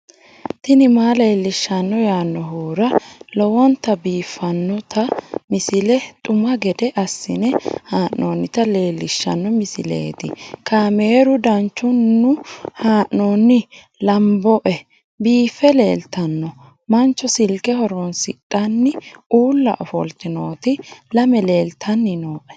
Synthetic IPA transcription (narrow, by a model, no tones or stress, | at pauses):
t̪ɪnɪmaːle̞ːlːɪʃːɐnːɔjaːnːɔɦoːɾɐlɔwɔnt̪ɐbiːfːɐnːɔt̪ʰɐmɪsɪlɛt̪ʼʊmɐɡɛd̪ɛʔɐsːɪ̰nɛhaːʔnoːnːɪt̪ɐle̞ːlːɪʃːɐ̰nːɔmɪsɪ̰lḛːt̪ɪ̰kaːme̞ːɾʊd̪ɐnt͡ʃːʊnːʊhaːʔnoːnːɪ | lɐmbɔʔɛ | biːfːɛlḛːlt̪ɐnːɔ | mɐnt͡ʃːɔsɪlkɛhɔɾɔnsɪɗɐnːɪʔuːlːɐ̰ʔɔfɔ̰lt̪ɪno̞ːt̪ɪlɐmɛle̞ːlt̪ʰɐnːɪnoːʔɛ̥